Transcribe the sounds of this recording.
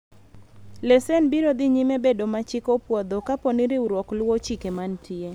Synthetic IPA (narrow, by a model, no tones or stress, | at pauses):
lesenbiɾod̪ɪɲimebedomat͡ʃɪkopwɔd̪ɔkaponiɾeuɾwɔklwɔt͡ʃikemantʰie